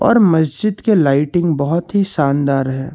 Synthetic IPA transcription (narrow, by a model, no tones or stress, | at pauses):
ɔ̰ːɾmɐsd͡ʒɪd̪kelaːɪʈɪ̃ŋɡbɐɦʊt̪ɦisaːnd̪aːɾɦɛː